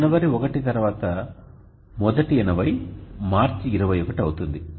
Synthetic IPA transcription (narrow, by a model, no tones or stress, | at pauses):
nɐʋɐɾiɔkɐʈit̪ɐɾuʋaːt̪ɐ | mɔd̪ɐʈiɛnɐʋɐjmaːɾt͡ʃiɾɐʋɐjɔkɐʈiɐwut̪und̪i